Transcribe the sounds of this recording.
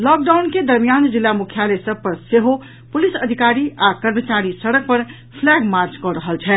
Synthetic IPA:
lɔːk̚ɖaʊnked̪əɾmijand͡ʒɪlːamʊkʰjalesəb̚pəɾseɦo | pʊlisəd̪ʱikaːɾiʔakəɾmət͡ʃaɾisəɽək̚pəɾ | pʰlɛːɡmaɾt͡ʃkɔɾəɦəlt͡ʃʰɛ

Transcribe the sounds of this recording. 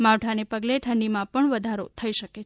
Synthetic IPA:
maʋʈʰanepəɡleʈʰəɳɖimãpəɳʋəd̪ʱaɾo̰t̪ʰəiʃəkee

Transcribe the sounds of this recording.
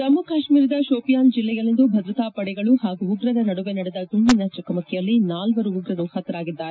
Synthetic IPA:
sɐmːukaːʃmiːɾɐd̪ɐʃoːpijaːnd͡ʒilːɛjɐlːind̪ubʱɐd̪ɾut̪aːpɐɽɛɡɐɭuhaːɡuːɡɾɐd̪ɐnɐɽuʋenɐɽɛd̪ɐd̪umbinɐt͡ʃɐkɐmɐkʰːɛjɐlːinaːlʋɐɾuuɡɾɐnuhɐt̪ːɐɾaːɡid̪ːaːɾee

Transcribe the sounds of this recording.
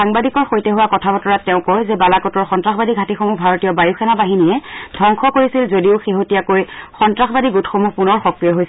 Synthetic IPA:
aŋbadikɔɹxojtɛɦʊwakɔtʰabɔtɔɹatɛʊ̃kɔjzɛbalakɔtɔɹxɔntɹaxbadiɡʱatixomubʱaɹotijɔbajuxʰɛnabaɦinijɛdʱɔŋxʰɔkoɹisilzodiʊxeɦotiakojxɔntɹaxbadiɡutxomupunɔɹxɔkɹijɔɦojs

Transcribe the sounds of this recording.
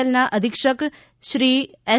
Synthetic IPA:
əlnaʔəd̪ʱɪkʃək | ʃɾiː | ɛ

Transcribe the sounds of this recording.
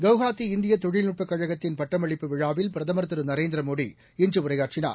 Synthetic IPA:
ɡɐʋɣaːt̪ːiɪnd̪ɪjɐt̪ɔɻɪlnʊʈ̚pɐkːɐɻɐɣɐt̪ːɪnpɐʈːɐmɐɭɪpːɯʋɪɻaːʋɪlpɪɾɐðɐmɐɾt̪ɐɾɯnɐɾeːnd̪ɪɾɐmoːɽḭ | ɪnd͡ʒɯʊɾɐjaːʈt͡ʃɪna̰ːɾ

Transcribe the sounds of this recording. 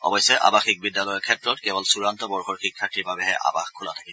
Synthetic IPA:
ɔ̰bɔjsɛʔa̰baxik̚bidːalɔjɔkʰɛtɹɔtkɛbɔlsuɹantɔbɔɹxɔɹxikʰːatʰiɹbabɛɦɛʔa̰ba̰xkʰula̰tʰḁkilɔ

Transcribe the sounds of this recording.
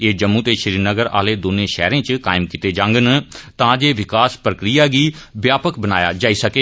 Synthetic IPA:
eːd͡ʒəmːũːt̪eːʃəɾiːɾnəɡəɾa̰ːleːd̪oːnẽːʃɛ̰ːɾẽːt͡ʃka̰ːɪmkɪt̪eːd͡ʒãːŋɡənt̪ãːd͡ʒeːʋɪkaːspɾəkɾijaːɡiːʋjaːpəkbənaːja̰ːd͡ʒaːiːsəkeː

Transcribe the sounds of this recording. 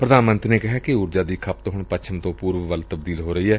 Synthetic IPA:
pɾəd̪aːnmə̃nt̪ɾneːkɪɦaːkɪʊɾd͡ʒaːd̪iːkʰəp̚t̪ɦʊɳpət͡ʃʰəmt̪õːpuːɾʋəʋəlt̪əbd̪iːlɦoːɾəiːɛː

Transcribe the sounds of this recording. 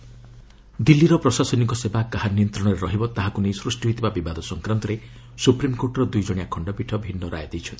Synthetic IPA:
d̪ilːiɾɔpɾɔsasɔniŋkɔsebakːaɦaniɔnt̪ɾɔɽ̃ɔɾeɾɔɦibɔt̪aɦakunejsɾusʈiɦit̪ʰibabibad̪ɔsɔŋkɾant̪ɔɾe | supɾimkoɾʈɔɾɔd̪ujd͡ʒɔɽ̃ijakʰɔɳɖɔpiʈʰɔbʱinːɔɾʔa̰jd̪ejt͡ʃʰɔnt̪i̥

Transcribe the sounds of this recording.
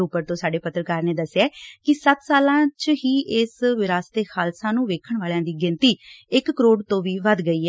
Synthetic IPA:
upːəɾt̪õːsaːɖeːpət̪ːɾəkaːɾneːd̪əsejaːkɪsət̪saːlãːt͡ʃɦiːʔɪsʋɪɾaːst̪eːxʰaːlsãːnũːʋeːkʰəɳʋaːljãːd̪iːɡɪnt̪iːɪkːəɾoːɖt̪õːʋiːʋəd̪ɡəiːɛː

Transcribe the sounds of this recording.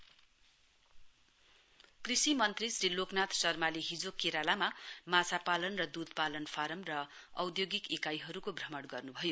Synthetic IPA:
krisimʌnt̪risriloknat̪sʌrmaliɦid͡zokeɾalamamat͡sapalʌnrʌd̪ud̪̚ʱpalʌnpʰaɾʌmrʌ | ʌwd̪joɡikikajɦʌɾukobʱrʌmʌɽɡʌrnubʱʌjo

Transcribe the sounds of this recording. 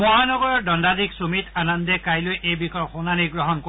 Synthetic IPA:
mɔɦanɔɡɔɹɔɹdɔndadiksumitanɔndɛkajlojʔejbikɔxonaniɡɹɔɦɔnko

